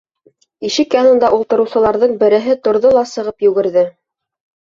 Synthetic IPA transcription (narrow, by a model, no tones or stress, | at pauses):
iʃɘkjɑnɤ̆nd̪ɑʔulˠt̪ɤ̆ɾɤ̆wsɤ̆lˠɑɾðɤɴbɘ̆ɾɘ̆ɦɘt̪ŏɾðolˠɑsɤ̆ʁɤpjʉ̆ɡɘ̆ɾðɘ